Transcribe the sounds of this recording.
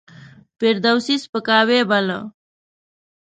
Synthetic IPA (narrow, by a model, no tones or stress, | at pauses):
peɾd̪əwsispəkaːwebalə̰